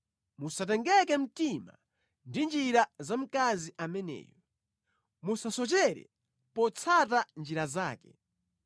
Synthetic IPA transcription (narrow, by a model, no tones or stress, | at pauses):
musat̬ɛŋɡɛkɛm̩tima̰ | ndind͡ʒiɾazam̩kaziʔamɛnɛ̰ːjɔ | musasɔt͡ʃɛɾɛ̰ | pɔt͡sʰatand͡ʒiɾazaːkɛ